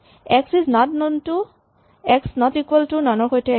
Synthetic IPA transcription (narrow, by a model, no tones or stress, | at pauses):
ɛksiznɔtnontu | ɛksnɔtikwɛltunanɔɹxojtɛ